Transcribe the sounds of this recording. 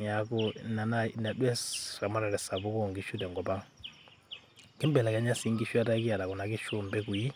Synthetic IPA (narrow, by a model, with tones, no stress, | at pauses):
a˨ku˦na˨na˦˨na˨dɛ˦sɾa˨ma˦ɾa˨ɾɛ˨sa˨bu˦kɔ˦˨ŋɡi˦ʃu˦dɛ˨ŋɡɔ˨ba˦ŋ | ki˦mbɛ˨la˨ka˨˦ɲa˦si˦ŋɡi˦ʃu˦a˦ta˦ki˦a˨da˨kɔ˨na˨ki˦ʃu˦mbɛ˦ku˨ji˦